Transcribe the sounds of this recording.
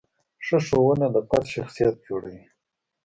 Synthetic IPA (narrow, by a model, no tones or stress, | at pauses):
ʂəʂowəned̪əpat̪ʃaxsijat̪̚d͡ʒoɽawi